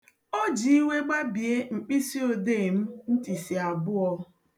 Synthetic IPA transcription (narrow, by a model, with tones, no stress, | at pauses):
o˦d͡ʒi˨i˦we˦ɡ͡ba˦bi˨e˦ŋ͡m̩˨k͡pi˦si˦o˦de˦˨m̩˦n̩˦ti˨si˨a˨bʊ˦ɔ˦